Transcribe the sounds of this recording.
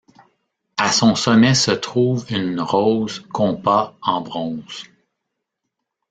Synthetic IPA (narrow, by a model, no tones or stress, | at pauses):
asɔ̃sɔmɛsət̪ʁuːvynʁɔːzkʰɔ̃ːbaɑ̃bʁɔ̃z̥